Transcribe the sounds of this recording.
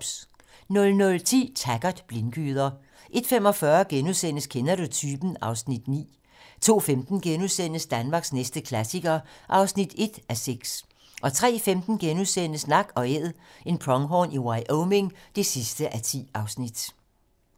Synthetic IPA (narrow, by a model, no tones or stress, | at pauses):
nɔ̽lnɔ̽lt͡sʰḭːt͡sʰæɡ̥ɐd̥b̥lenɡ̥y̰ːð̞ˠɐ | ʔe̝d̥fem̰ɒ̽fɶɐɡ̥enuðˠsen̰əskʰenɐdut͡sʰyːb̥n̩ɑ̈ʊsnid̥nḭː | t͡sʰo̝̰ːfemd̥n̩ɡ̥enuðˠsen̰əsd̥ænmɑ̈ɡ̥snesd̥əkʰlæsiɡ̥ɐʔɑ̈ʊsnid̥e̝d̥æseɡ̥s | ʔɒ̽t͡sʰʁɛ̰ːfemd̥n̩ɡ̥enusen̰əsnɑ̈ɡ̥ɒ̽eð̰ˠe̝npʰʁɒ̽ŋɦɒniwɑ̈ɪʔoʊme̝ŋd̥e̝sisd̥əʔæt͡sʰḭːɑ̈ʊsnid̥